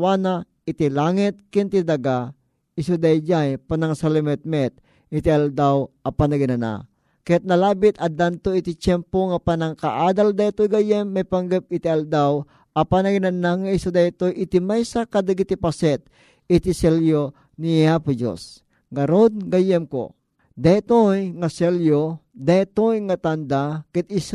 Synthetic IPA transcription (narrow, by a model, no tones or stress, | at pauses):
wana | ɪt̪ilaŋɪt̪̚kɪnt̪id̪aɡa | ɪsud̪ajd͡ʒajpanaŋsalɛmɛt̪̚mɛt̪̚ | ɪt̪iald̪awʔapanɐɡɪnana̰ | kajat̪̚nɐlaːbɪt̪̚ɐd̪ant̪oit̪it͡ʃɛmpoŋapanaŋkaʔaːd̪ald̪ait̪ojɡajɛmːajpaŋɡɛp̚ɪt̪iald̪aw | ʔɐpanɐɡɪnanaŋaisad̪at̪ojʔɪt̪imajsakad̪aɡit̪ipasɛt̪̚ | ɪt̪isɛljo | niapud͡ʒo̰s | ɡɐɾod̪̚ɡajɛmko̰ | d̪at̪ojŋasɛljod̪at̪ojŋat̪and̪akɛt̪̚is